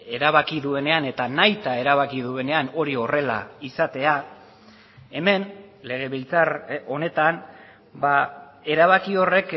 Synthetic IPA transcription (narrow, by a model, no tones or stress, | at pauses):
e̞ɾaβ̞akiðue̞ne̞ane̞t̪anajt̪ae̞ɾaβakið̞ue̞ne̞ano̞ɾio̞re̞la̰isat̪e̞a | e̞me̞nle̞ɣ̞e̞βilt͡saro̞ne̞t̪an | ba | e̞ɾaβakio̞re̞k